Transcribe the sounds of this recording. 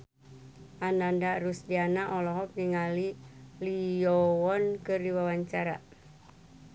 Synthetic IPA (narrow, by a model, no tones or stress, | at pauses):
ʔanandaɾusdianaʔɔlɔɦɔk̚diŋalilijɔwɔnkɨrdiwawaɲt͡ʃaɾa̰